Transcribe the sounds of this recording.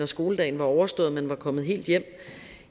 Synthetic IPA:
ɒsɡ̥o̝ːləd̥ɛ̰ɪnʋɑ̈ɒʊɐsd̥ɔ̽ːð̞̩ˠmenʋɑ̈kʰɒ̽m̰ð̩ˠɦe̝̰ːld̥jem̰

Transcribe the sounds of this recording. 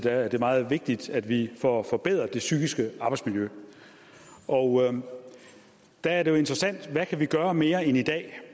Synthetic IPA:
d̥æːɐd̥e̝mɑ̈ːð̞̩ˠʋe̝ɡ̥̚d̥id̥æd̥ʋifɒfɒ̽b̥eð̰ˠʁɐd̥e̝syɡ̥isɡ̥əɑ̈ːb̥ɑɪsmiljø | ʔɒʊ | d̥ææɐdejo̝e̝nd̥ʁɐsæn̰d̥ʋækʰæʋiɡ̥ɶːɐme̝ːɐenid̥ɛ̰ː

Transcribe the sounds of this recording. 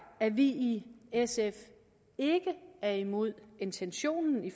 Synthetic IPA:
æʋiiesef | e̝ɡ̥əæɐimo̝ð̞̰ˠe̝nt͡sʰenɕo̝̰ːnn̩if

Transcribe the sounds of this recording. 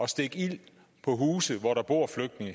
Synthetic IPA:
ɒ̽sd̥e̝ɡ̥il̰ | pʰɒ̽ɦuːsð̩ˠʋɒɾɑ̈b̥o̝ɐ̰fløɡ̥̚d̥ne̝ŋə

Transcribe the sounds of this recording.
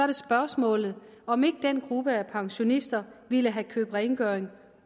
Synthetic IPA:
ɑɾ̥e̝sb̥ɶɐsmɔ̰̽ːlð̩ˠ | ɒ̽me̝ɡ̥əd̥enɡ̥ʁub̥əæpʰɑ̈ŋɕo̝nisd̥ɐʋiləɦækʰø̰ːb̥ʁɛɪŋɡ̥øɐeŋ

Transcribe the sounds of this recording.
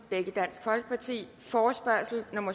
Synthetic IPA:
b̥eɡ̥əd̥æn̰sɡ̥fɒ̽lɡ̥əpʰɑ̈t͡sʰḭːfɒːsb̥ɶɐ̰sl̩no̝mɐ

